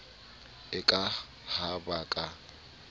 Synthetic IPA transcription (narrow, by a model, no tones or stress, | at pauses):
ɪkʼa | habakʼa